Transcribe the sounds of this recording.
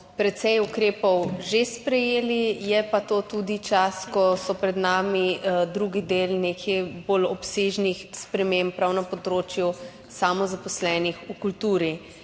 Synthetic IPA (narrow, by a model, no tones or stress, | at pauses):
pɾɛt̪sɛjukɾeːpɔwʒespɾɛjeːlijɛpat̪oːt̪ud̪it͡ʃaskɔsɔpɾɛd̪naːmid̪ɾuɡid̪eːlnekʰɛjbolɔpseʒnixspɾɛmempɾawnapɔd̪ɾoːt͡ʃju | saːmɔzapɔslɛːnixukult̪uːɾi